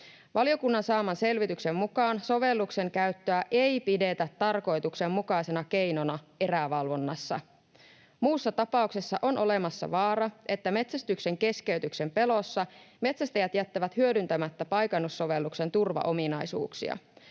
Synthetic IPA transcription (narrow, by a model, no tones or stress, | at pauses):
ʋɑlijo̞kunːɑnsɑːmɑnse̞lʋit̪yksemːukɑːnso̞ʋe̞lːukse̞ŋkæyt̪ːøæʔe̞jpide̞t̪æt̪ːɑrko̞jt̪ukse̞mːukɑjsenɑke̞jno̞nɑe̞ræʋɑlʋo̞nːɑsːɑ̰ | muːsːɑt̪ɑpɑˑuksesːɑʔo̞nʔo̞lemɑsːɑ̰ʋɑːɾɑʔe̞t̪ːæme̞t̪sæst̪ykseŋke̞ske̞yɥt̪ykse̞mpe̞lo̞sːɑme̞t̪sæst̪æjæt̪jæt̪ːæʋæt̪hyødynt̪æmæt̪ːæpɑjkɑnːusːo̞ʋe̞lːukse̞nt̪urʋɑ̰ʔo̞minɑjsṵːksḭɑ̰